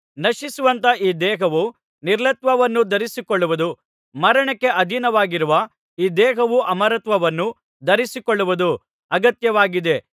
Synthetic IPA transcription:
nɐʃisuʋɐnt̪ɐʔiːd̪ɛːɦɐʋu | niɾlɐt̪ʋɐʋɐnːud̪ɐɾisikoɭːuʋud̪u | mɐɾɐɳɐkːe̞ʔɐd̪ʱinɐʋaːɡiɾuʋɐ | iːd̪ɛːɦɐʋuʔɐmɐɾɐt̪ʋɐʋɐnːu | d̪ɐɾisikoɭːuʋud̪u | ɐɡɐt̪jɐʋaːɡid̪e̞

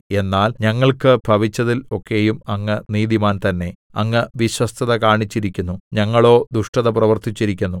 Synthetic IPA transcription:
e̞nːaːlɲɐŋːɐɭkɨbʱɐʋit͡ɕːɐðilo̞kʰːe̞jumɐŋːɨniːðiumaːnt̪ɐnːe̞ | ɐŋːɨʋiɕwɐst̪ʰɐðɐkaːɳit͡ɕːiɾikʲːunːuɲɐŋːɐɭo̞ːd̪uʂʈɐðɐprɐʋɐrt̪it͡ɕːiɾikʲːunːu

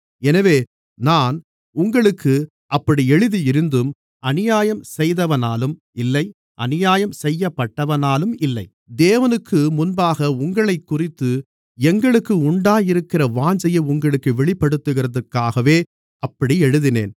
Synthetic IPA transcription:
ɛnɐʋeː | naːn | ʊŋɡɐɭɯkːɯ | ʔɐpːɐɽiɛɻɯðiɪɾɯnd̪ɯm | ɐnɪjaːjɐmsɛjðɐʋɐnaːlɯm | ɪlːɐɪ | ʔɐ̰nɪjaːjɐmsɛjːɐpːɐʈːɐʋɐnaːlɯmɪlːɐɪ | d̪eːʋɐnɯkːɯmʊnbaːɣɐʊŋɡɐɭɐɪkːʊrɪt̪ːɯ | ɛŋɡɐɭɯkːɯʊɳɖaːjɪɾɯkːɪrɐʋaːɲd͡ʒɐjɐʊŋɡɐɭɯkːɯʋɛɭɪpːɐɽɯt̪ːɯɣɪrɐðɐrkːaːɣɐʋeː | ɐpːɐɽiɛɻɯðɪnḛːn

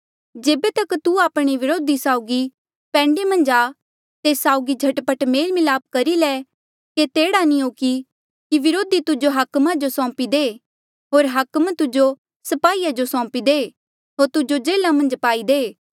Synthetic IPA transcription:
d͡ʒeːbet̪ɐkt̪uaːpɽ̃iʋɪɾoːd̪isaːʊɡi | pɛ̃ːɳɖemɐ̃nd͡ʒaː | t̪esaːʊɡid͡ʒʱɐʈpəʈmeːlmɪlaːp̚kɐɾilɛ | ket̪eːɽanĩɦoːki | kiʋɪɾoːd̪it̪ʊd͡ʒoɦɐkmad͡ʒosɔ̃ːpid̪eː | ɦoːɾɦɐkmt̪ʊd͡ʒo | sɐpaːiːjad͡ʒosɔ̃ːpid̪eː | ɦoːɾt̪ʊd͡ʒod͡ʒeːlamɐ̃nd͡ʒpaːid̪eː

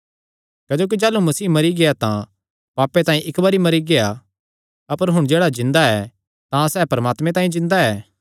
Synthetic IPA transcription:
kɐːd͡ʒoːk̬id͡ʒaːlumɐsiːmɐɾiɡeat̪ã | paːpːet̪ãːĩʔɪkbɐɾimɐɾiɡea | ɐpəɾɦʊɽ̃d͡ʒeːɽad͡ʒɪ̃nd̪aɛ | t̪ãsɛːpɐɾəmaːt̪mẽt̪ãːĩd͡ʒɪ̃nd̪aɛː

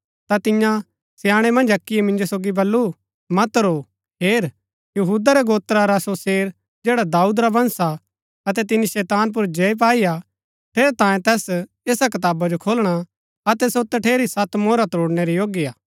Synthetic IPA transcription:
t̪at̪ɪjã | sɪjaːɽ̃ɛmɐ̃nd͡ʒɐkːijɛmɪ̃nd͡ʒosoːɡibɐlːu | mɐt̪ɾo | ɦeːɾ | jɐɦuːd̪aɾɛɡoːt̪ɾaɾasoseːɾ | d͡ʒeːɽad̪aːuːd̪ɾabɐ̃nsa | ɐt̪̬ɛt̪ɪnːiʃɛːt̪aːnp̬ʊɾd͡ʒeːip̬aːija | ʈʰeːɾt̪ãːjẽt̪ɛːs | eːsak̬ɐt̪aːbad͡ʒokʰoːlɽ̃a | ɐt̪ɛsot̪ʈʰeːɾisɐt̪moːɾat̪oːɽnɛɾijoːɡiaː

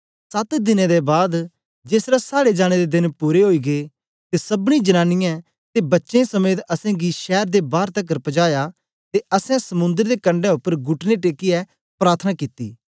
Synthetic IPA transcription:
sɐt̪d̪ɪnẽd̪ebaːd̪ | d͡ʒeːsɾasaːɽed͡ʒaːɽ̃ed̪ed̪ɪnpuːɾeɦoːiːɡe | t̪esɐbɽ̃ĩd͡ʒɐnãːnɪjɛ̃ | t̪ebɐtːʃẽsɐmeːt̪ɐsɛ̃ɡiʃɛːɾd̪ebaːɾt̪ɐk̬ːəɾpəd͡ʒaːja | t̪eɐsɛ̃sɐmʊ̃nd̪əɾd̪ekɐ̃ɳɖɛ̃ʊpːəɾɡʊʈʰneʈeːkiɛ | pɾaːɾt̪ʰənakit̪ḭː

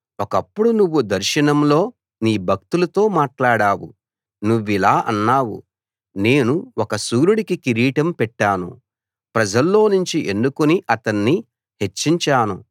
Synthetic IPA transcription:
ɔkɐpːuɽunuʋːud̪ɐɾʃɐnɐmlo̞ː | niːbʱɐk̚t̪ulɐt̪o̞ːmaːʈlaːɽaːwu | nuʋːilaːʔɐ̰nːaːwṵ | ne̞ːnuwɔkɐsuːɾuɽikikiɾiːʈɐmpɛʈːaːnṵ | pɾɐd͡ʒɐlːo̞ːnuɲt͡ʃiʔenːukuniʔɐt̪ɐnːi | he̞t͡ʃːiɲt͡ʃaːnu

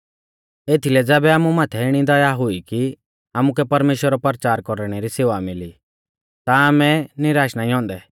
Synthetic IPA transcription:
eːt̪ʰilɛd͡zɛːbɛaːmumaːt̪ʰɛɪɽ̃id̪ɐjaɦʊiki | amukɛpɐɾmeːʃwəɾɔpəɾt͡ʃaːɾkɔɾɽ̃ɛɾiseːʋamɪli | t̪aaːmɛnɪɾaːʃnaiɦɔ̃ːnd̪ɛ

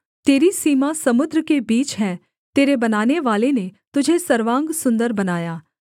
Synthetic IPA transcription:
t̪eːɾisiːmasɐmʊd̪ɾəkebiːt͡ʃɦɛ̃ | t̪eːɾebɐnaːneʋaːlenet̪ʊd͡ʒʱesɐɾʋãːŋɡsʊ̃nd̪əɾbɐnaːjaː

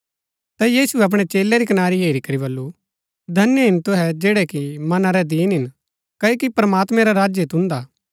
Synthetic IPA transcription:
t̪ajiːsuɛɐp̬ɽ̃ɛt͡ʃeːlɛɾikɐnaːɾiɦeːɾikɐɾiβɐlːu | d̪ʱɐnjəɦɪnt̪ʊɦɛd͡ʒeːɽɛkimɐnaɾɛd̪iːnɦɪn | kɐokipɾɐmaːt̪mɛ̃ɾaɾaːd͡ʒjet̪ʊ̃nd̪aː

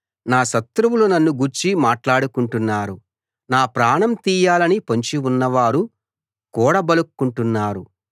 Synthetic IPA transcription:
naːʃɐt̪ɾuwulunɐnːuɡuɾt͡ʃimaːʈlaːɽukuɳʈunːaːɾu | naːpɾaːɳɐmt̪iːjaːlɐnipɐɲt͡ʃiunːɐʋaːɾu | kɔːɽɐbɐlukːuɳʈunːaːɾu

